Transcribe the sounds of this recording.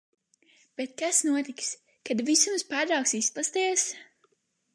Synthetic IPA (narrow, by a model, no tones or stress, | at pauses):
b̥et̪̚kasnuɔt̪iks | kad̪visumspaːɾɾawksisplˠast̪iɛs